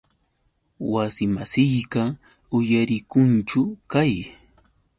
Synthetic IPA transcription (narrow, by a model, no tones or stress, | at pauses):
wasɪmasɪjɢɑ | ʊjaɾɪkʊnt͡ʃʊkaj